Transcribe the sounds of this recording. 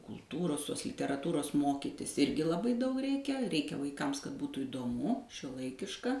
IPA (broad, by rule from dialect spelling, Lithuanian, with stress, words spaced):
kʊlˠˈtuːroːs ˈtoːs lʲɪtʲɛrɐˈtuːroːs ˈmoːkʲiːtʲɪs ˈɪrʲɡʲɪ lˠɐˈbɐɪ ˈdɐʊk ˈrʲɛɪkʲɛ ˈrʲɛɪkʲɛ ʋɐɪˈkɐms kɐt ˈbuːtuː iːdoːˈmʊ ʃʲuɔˈlˠɐɪkʲɪʃkɐ